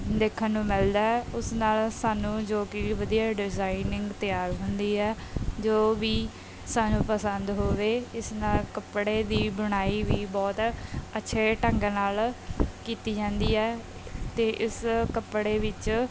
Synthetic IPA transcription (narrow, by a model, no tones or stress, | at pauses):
d̪eːkʰənːũːmɪld̪aːɛʊsnaːlsaːnũːd͡ʒoːkɪʋəd̪iːaːɖɪzaːinɪ̃ŋɡt̪ɪjaːɾɦʊnd̪iːɛːd͡ʒoːʋiː | saːnũːpəsənd̪ɦoːʋeːɪsnaːlkəpɽeːd̪iːbəɽ̃aːiːʋiːbɔːt̪ətːʃʰeːʈəŋɡnaːlkiːt̪iːd͡ʒãːnd̪iːɛː | t̪eːʔɪskəpɽeːʋɪt͡ʃ